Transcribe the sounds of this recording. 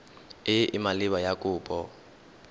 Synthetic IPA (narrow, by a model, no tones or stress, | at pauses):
ɪʔɪmalɪβajakʼʊːpʼɔ